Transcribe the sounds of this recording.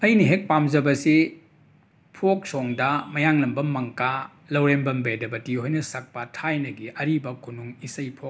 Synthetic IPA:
ɐjniɦek̚pamzɐbɐsi | pʰok̚soŋdɐmɐjaŋlɐmbɐmɐŋka | lɐwɾembɐmbedɐbɐtihojnɐsɐk̚pɐtʰajnɐɡiʔɐɾibɐkʰunuŋisɐjpʰok

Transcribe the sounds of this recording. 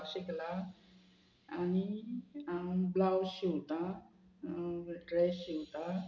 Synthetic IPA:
ɕikla | aniablawɕiwt̪a | ɖɾɛsɕiwt̪a

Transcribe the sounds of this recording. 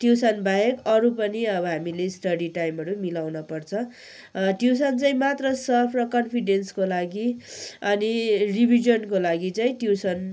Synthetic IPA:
ʈjisʌnbajekʌɾupʌniʌbʌɦamilesʈʌɽiʈajmɦʌɾumilawnʌpʌrt͡sʰʌ̃ | ʈjuwsant͡saĩmat̪rʌsʌpʰrʌkʌnpʰiɖenskolaɡiʌniribʱid͡ʒʌnkolaɡit͡saĩʈjiwsʌn

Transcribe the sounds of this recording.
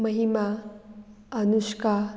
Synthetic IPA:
məɦima | ənuʃka

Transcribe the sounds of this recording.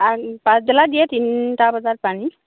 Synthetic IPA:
apãsdɛladijɛtinʈabɔzaɹpani

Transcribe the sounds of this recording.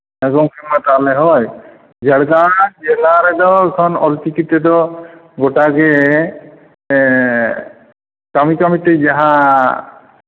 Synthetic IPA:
ɛɡɔŋkʰɛmatalɛɦɔj | d͡ʒɛɽɡanad͡ʒɛlaɾɛdɔkʰɔnɔlt͡ʃikitɛdɔɡɔtakɛ | kamikamited͡ʒaɦa

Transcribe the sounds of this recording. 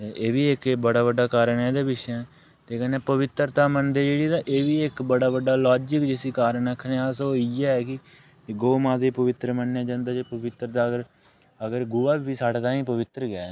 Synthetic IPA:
t̪eːʔeːʋiːɪkbəɽaːbəɖaːkaːɾəɳɛːd̪eːbɪʃɛː | t̪eːkɛ̃ːneːpəʋɪt̪ɾt̪aːmənd̪eːd͡ʒeːɽiːt̪ãːʔeːʋiːɪkbəɽaːbəɖːaːlaːd͡ʒɪkd͡ʒɪsiːkaːɾənəkʰːneːaːsoːiɛːɛːkɪ | ɡoːmãːd̪iːpəʋɪt̪ɾəmənːjãːd͡ʒãːnd̪aːd͡ʒeːpəʋɪt̪ɾət̪aːɡəɾ | əɡəɾɡʊːaːiːbiːsaːɽeːt̪ãːĩːpəʋɪt̪ɾəɡɛːɛː

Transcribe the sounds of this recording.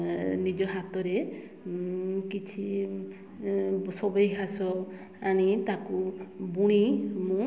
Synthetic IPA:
nid͡ʒɔɦat̪ɔɾe | kit͡ʃʰi | sɔbɔjɦʰasɔ | aɽ̃it̪akubuɽ̃imũ

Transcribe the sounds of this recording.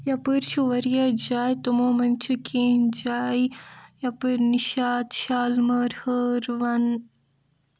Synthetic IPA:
jɐpɨɾt͡ʃʰuʋɐɾjɐd͡ʒaːjt̪umoːmɐnt͡ʃʰukʰeːnd͡ʒaːjjɐpɨɾniʃaːt̪ʃaːlmɐɾhəɾʋɐn

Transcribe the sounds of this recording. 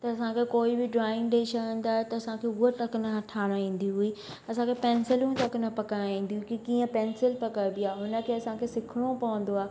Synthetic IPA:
t̪ɐɐsãkʰekoːibɪɖɾaːɪ̃ŋɡɗet͡ʃʰɐɡə̃nd̪aːɦet̪ɐɐsãkʰeuɦəʈ̪ɐknəɐʈʰaːɽ̃aɦĩːn̆d̪iɦui | ɐsãkʰepɛ̃ːnsɪlũt̪ɐknɐpɐkaɽ̃aĩːn̆d̪iɦuikikiːə̃pɛːnsɪlpɐkabɪaːɦʊnə̆kʰeːɐsãkʰesɪkʰɪɽ̃opɐʋə̃n̆d̪oaː

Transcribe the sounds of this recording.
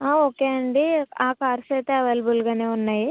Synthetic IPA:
aːoːkeɐɳɖiaːkaːɾset̪eɐʋɐlbulɡɐneunːɐji

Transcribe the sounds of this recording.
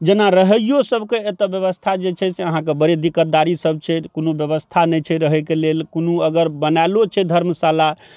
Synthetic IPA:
d͡ʒenaɾəɦəjosəbʱkeːt̪əbjəβəst̪ʰad͡ʒet͡ʃʰɛseəɦãkebəɾed̪ikət̪̚d̪aɾisəb̚t͡ʃʰɛkonobjəβəst̪ʰanɛjt͡ʃʰɛɾəɦɛkelelkonuəɡəɾbənajlot͡ʃʰɛd̪ʱəɾməsala

